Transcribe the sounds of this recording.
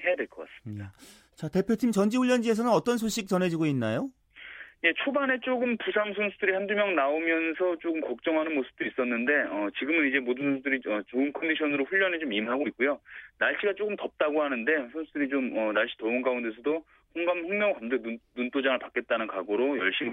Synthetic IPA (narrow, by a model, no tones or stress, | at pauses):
he̞jade̞ɭk͈ʰʌk͈as͈ɯ̥mie | t͡ɕate̞pʰjotʰimt͡ɕʌnd͡ʑiuɭʎːʌnd͡ʑie̞s̬ʰʌnɯnʌt͈ʌns̬ʰoɕ͈ʰik̚t͡ɕ͈ʌnɦe̞d͡ʑiɡoinːajo | je̞t͡ɕʰobane̞t͡ɕ͈oɡɯmpusʰamsʰʌnsʰudɯɾihandumjʌŋnaomjʌnsʰʌt͡ɕ͈oɡɯmkʌk̚t͡ɕ͈ʌŋɦanɯnmosʰɯ̥p̚t͈uis͈ʌnːɯnde̞ʌt͡ɕiɡɯmɯnid͡ʑe̞modɯnsʰʌnsʰudɯɾiʌt͡ɕoɯnkʰʌndiɕʰʌnɯɾoɸuʎːʌnet͡ɕomimɦaɡoit̚k͈ujonaɭɕ͈iɡat͡ɕ͈oɡɯmtʌp̚t͈aɡohanɯnde̞sʰʌnsʰudɯɾit͡ɕomʌnaɭɕ͈i̥toɯnkaunde̞s̬ʰʌdo | ɸoŋɡamɸʌŋmjʌŋkamdɯnunt͈ʰod͡ʑaŋɯɭpak͈e̞t̚t͈anɯnkaɡoɾojʌɭɕ͈im